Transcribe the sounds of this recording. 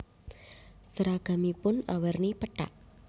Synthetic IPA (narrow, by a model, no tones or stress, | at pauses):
səɾaɡ̥a̤mipʊna̰wərnipəʈa̰ʔ̚